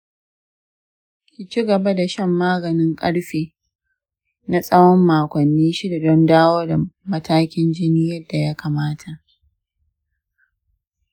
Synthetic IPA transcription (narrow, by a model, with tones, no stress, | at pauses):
kʲi˨t͡ʃi˦ɡɐ˨ba˦da˨ʃɐ˦˨mːaː˦ɡɐ˨nɪ˦ŋkʼɐ˦ɽɸiː˨ | na˨sʼɐ˦wɔ˦mːaː˨kʷɐ˨nːiː˦ʃi˦da˨dɔ˦ndaː˦woː˦da˨mɐ˦tʰaː˦kʲɪ˦nd͡ʒɪ˦niː˦jɐ˦dːa˨ja˦kaː˨maː˦tʰa˨ʔ